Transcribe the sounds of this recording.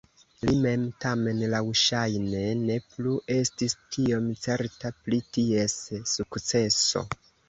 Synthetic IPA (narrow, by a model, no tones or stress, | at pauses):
lime̞mtame̞nlawʃajne̞ne̞pluʔe̞stistʰio̞mt͡se̞ɾtaplitie̞sːukt͡se̞so̞̰